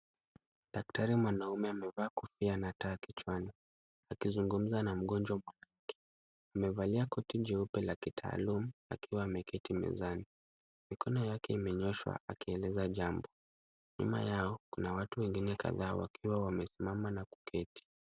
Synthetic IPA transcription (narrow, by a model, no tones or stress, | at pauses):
dak̚taɾimwanaumɛamɛvaːkufianataːkit͡ʃwani | akizuŋɡum̩zanam̩ɠɔnd͡ʒwamwanakʰɛ̥ | amɛvaliakɔtiʄɛupɛlakitʰa̰ːlumua̰kiwaːmɛkɛtimɛ̰zani | mikʰɔnɔjakɛimɛɲɔʃwa̰a̰kiɛlɛzaʄambɔ | ɲṵma̰jaɔkunawatuwɛŋɡinɛka̰ðaːwa̰kʰiwawamɛsimamanaku̥kɛti̥